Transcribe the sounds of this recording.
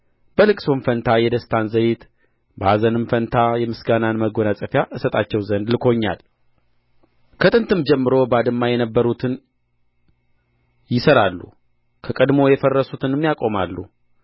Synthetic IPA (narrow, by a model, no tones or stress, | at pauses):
b̥əlɨkʼso̞nfənt̪ʰajɛd̪əst̪ʰanzəjɪt̪ | bəazənɨmfənt̪ʰajɛmɨsɡananməɡo̞nasʼəfjaʔɨsət̪ʼat͡ʃːɛwzənd̪lɨkʰo̞ɲːa̰l | kʰət̪ʼɨnt̪ʰɨmd͡ʒɛmːɨɾo̞bəad̪ɨmːajɛnəbːəɾut̪ʰɨn | jɪsəɾalːṵ | kʰəkʼəd̪mo̞jɛfərːəsut̪ʰɨnɨmːjakʼo̞malːu